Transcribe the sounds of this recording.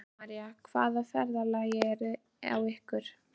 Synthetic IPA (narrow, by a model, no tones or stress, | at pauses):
aɾijakʰvaːðafɛɾðalajɛɾʏ | a̰wɪhkʏɾ̥